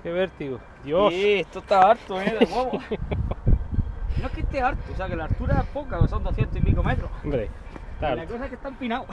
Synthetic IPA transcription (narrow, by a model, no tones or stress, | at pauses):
keβeɾt̪iɣo | d̪joset̪ot̪aaɾt̪ueðeɣwaβo | noeket̪eaɾt̪uos̬eakelaɾt̪uɾaepokaosond̪oθjent̪oimikomet̪ɾombɾe | t̪alakos̬aekest̪ampinaw